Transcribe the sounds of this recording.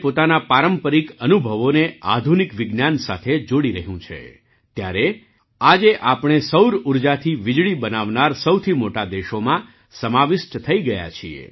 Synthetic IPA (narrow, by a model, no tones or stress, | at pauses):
pot̪anapaɾəmpəɾikənubʱəʋonea̰d̪ʱunikʋɪɡnjansat̪ʰed͡ʒoɽiɾəɦjũt͡ʃʰḛ | t̪jaɾe | ad͡ʒeʔapɽ̃esəwɾuɾd͡ʒat̪ʰiʋɪd͡ʒɭibənaʋnaɾsəwt̪ʰimoʈad̪eʃomã | səmaʋɪʃʈt̪ʰəiɡəja̰t͡ʃʰiḛ